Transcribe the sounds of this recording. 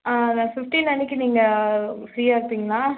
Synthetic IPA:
aːnãːfɪfʈint̪ɐnːɪkːɯniːŋɡɐfɾiːaːɪɾɯp̪ːiːŋɡɐlaː

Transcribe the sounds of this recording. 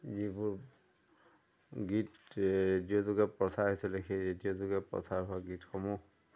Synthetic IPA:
zibʊɹ | ɡitɹedijozʊɡɛpɹɔsaɹɦisɛlɛxejɹetijozʊɡɛpɹɔ̰saɹɦʊaɡitxɔmu

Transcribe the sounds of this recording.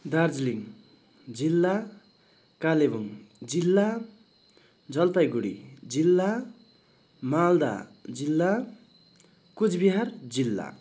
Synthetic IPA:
d̪ard͡zliŋ | d͡zilːa | kalebuŋd͡zilːa | d͡zʌlt̪ajɡuɽḭd͡zilːa | mald̪a̰d͡zilːa | kud͡zbiɦard͡zilːa̰

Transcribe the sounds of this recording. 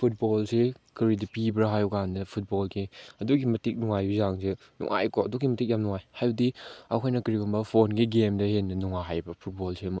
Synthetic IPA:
pʰut̚bolse | kɯɾidipibɾɐɦajukandɐpʰut̚bolɡiɐduɡimɐtik̚nuŋajbizaŋse | nṵŋʔa̰jkoɐdukimɐtik̚jamnuŋajhajdia̰kʰajnɐkɐɾiɡɔmbɐpʰonɡiɡemdɐhenːɐnuŋaɦajbɐpʰut̚bolsem

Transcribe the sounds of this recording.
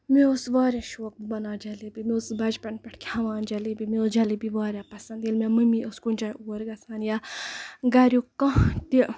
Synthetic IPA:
meosʋaːɾʲjaːʃoːk̚bibɐnaːd͡ʒɐlibimosbɐd͡ʒpɐnpʲɐʈʰkʰʲhɐʋaːnd͡ʒɐlibimiod͡ʒɐlibiʋaːɾjapɐsɐnd̪jilmʲemɨmiʔoskunʲt͡ʃajuːɾɡɐsʰaːnja | ɡɐɾjukɐ̃t̪i

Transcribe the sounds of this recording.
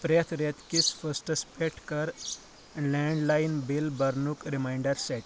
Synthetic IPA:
pɾet̪ʰɾet̪kisfəsʈəspeʈʰkəɾ | lɛɳɖlajnbilbəɾnukɾimajɳɖəɾsɛʈ

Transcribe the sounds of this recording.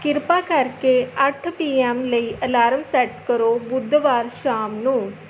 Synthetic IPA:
kiɾpakaɾkeaʈʰpiɛmləiʔəlaːɾəmsɛʈkəɾobud̪ʱːəʋaːɾɕamnũː

